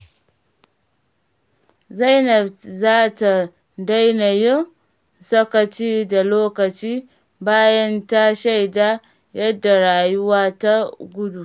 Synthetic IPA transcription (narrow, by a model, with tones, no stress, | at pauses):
za˦jnɐ˨bzaː˦ta˨ | da˦jnɐ˨jɪ˦n | sɐ˦kɐ˨t͡ʃiː˦da˨loː˦kɐ˨t͡ʃiː˦ | baː˦jɐ˦nta˦ʃa˦jdaː˦ | jɐ˦dːa˨ɽaː˨jʊ˦waː˦ta˦ɡʷʊ˦du˨